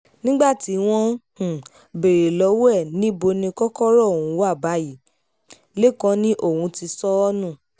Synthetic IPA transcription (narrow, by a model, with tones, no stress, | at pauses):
nĩ˦ɡ͡ba˦˨ti˨˦w̃ɔ̃˧hũ˨ | be˨ɾe˨lɔ˨˦wɛ˦˨nĩ˨˦bo˧nĩ˧kɔ˦kɔ˦ɾɔ˦˨wũ˨˦wa˦˨ba˨˦ji˨˦ | le˦˨kɔ̃˦nĩ˦ʔo˦˨wũ˧ti˧sɔ˦ɔ˦nũ˦˨